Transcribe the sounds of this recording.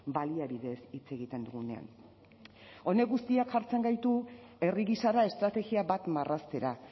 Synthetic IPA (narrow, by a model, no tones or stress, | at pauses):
baliaβiðe̞sit͡se̞ɣit̪e̞nd̪uɣune̞̰a̰n | o̞ne̞ɣust̪iakʝaɾt͡se̞ŋɡajt̪u | e̞riɣisaɾae̞st̪ɾat̪e̞ɣiaβat̪marʔast̪e̞ɾa